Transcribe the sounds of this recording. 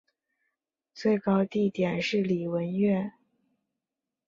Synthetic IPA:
t͡swe˥˩ɪkɑ˥ʊt̪i˥˩t̪jɛ˨˩nʂɻ̩˥˩li˨˩wə˧˥nɥɛ˥˩n

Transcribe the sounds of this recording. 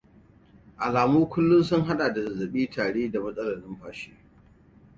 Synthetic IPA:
ʔa˨laː˨muː˦kʷʊ˦lːʊ˦nsʊ˦ŋɦa˦ɗa˨da˨zɐ˨zɐ˨ɓiː˦tʰaː˨ɽeː˦da˨mɐ˦sʼɐ˦lɐ˨nɪ˦mɸaː˨ʃeː˦

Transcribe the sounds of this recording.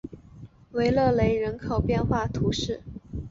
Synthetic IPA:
we˧˥ɪlɤ˥˩le˧˥ɪɻə˧˥nkʰo˨˩ʊpjɛ˥˧nxwa˥˩t̪ʰu˧˥ʂɻ̩˥˩

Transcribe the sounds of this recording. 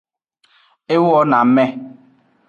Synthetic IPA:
ɪ˦wɔ˦na˨m̩˦me˦

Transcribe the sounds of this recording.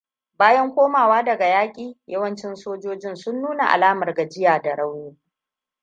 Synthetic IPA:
baː˦jɐ˦ŋkʷoː˦maː˨waː˦dɐ˨ɡa˨jaː˦kʲʼiː˨jɐ˦wɐ˦nt͡ʃɪ˦nsoː˦d͡ʒoː˦d͡ʒɪ˦nsʊ˦nːuː˦na̰˨ʔa̰˨laː˦mɐ˨rɡa˨d͡ʒɪ˦jaː˨da˨ɽa˦wjoː˦

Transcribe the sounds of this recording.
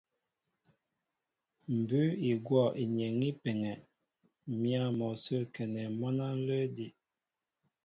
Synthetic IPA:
m̩˨bʉ˦i˨ɡwɔ˦˨ʔi˨ɲɛ˨ŋi˦pe˨ŋɛ˨ | mja˦˨mɔ˨sə˦kɛ˨nɛ˨mɔ˦na˦n̩˦lə˦di˨

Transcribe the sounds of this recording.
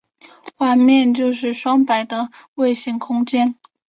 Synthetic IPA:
wa˥˧mjɛ˥˧nt͡ɕjo˥˧ʊʂɻ̩˥˩ʂwɑ˥ŋpa˨˩ɪd̪ə˧we˥˧ɪɕi˥˩ŋkʰʊ˥ŋt͡ɕjɛ˥n

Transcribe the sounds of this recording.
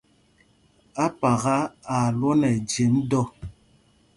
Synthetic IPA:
a˦pa˨ɣa˦a˨lwo˦nɛ˨d͡ʒe˨˦mdɔ˦˨

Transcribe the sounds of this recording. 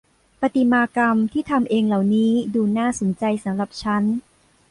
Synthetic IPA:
pa˧t̪i˨˩maː˧ka˧mt̪ʰiː˥˩t̪ʰa˧mʔeː˧ŋla˨˩wniː˦˥duː˧naː˥˩so˩˦nt͡ɕa˧jsa˩˦mɾa˨˩p̚t͡ɕʰa˦˥n

